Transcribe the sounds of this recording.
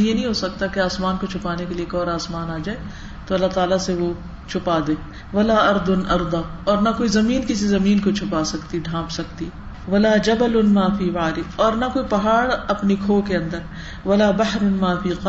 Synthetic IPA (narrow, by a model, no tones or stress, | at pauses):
jenɐɦĩɦosɐkt̪akeaːsmaːnkot͡ʃʰʊpaːnekeliekɔːɾaːsmaːnaːd͡ʒaːe | t̪oɐlːat̪aːlaseʋo | t͡ʃʰʊpaːd̪eː | ʋɐlaːɐɾd̪ʊnɐɾd̪aːɔːɾnɐkoːizɐmiːnkɪs̬izɐmiːnkot͡ʃʰʊpaːsɐkt̪iɖʱãːpsɐkt̪i | ʋɐlaːd͡ʒɐbɐlʊnmaːfiːʋaːɾɪɔːɾnɐkoːipɐɦaːɽɐpnikʰoːkeɐ̃nd̪əɾ | ʋɐlaːbɐɦɾnmaːfiːqɐ